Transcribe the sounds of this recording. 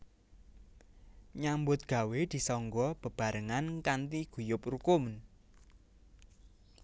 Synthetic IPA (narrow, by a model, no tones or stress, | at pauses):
ɲambʊt̪̚ɡ̥a̤wed̪̥i̤sɔŋɡɔb̥ə̤b̥a̤ɾəŋankant̪iɡ̥ujʊp̚rukʊmn